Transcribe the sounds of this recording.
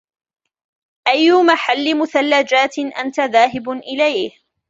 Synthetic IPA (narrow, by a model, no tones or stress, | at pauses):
ʔajːʊmaħalːɪmʊθalːad͡ʒaːt̪ɪʔa̰nt̪aðaːɦɪbʊʔɪlajh